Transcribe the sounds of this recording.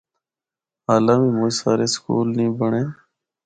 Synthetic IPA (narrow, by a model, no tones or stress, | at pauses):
aːlãːmiːmʊ̃ːsaːɾeːskṵːlnĩːbəɳeː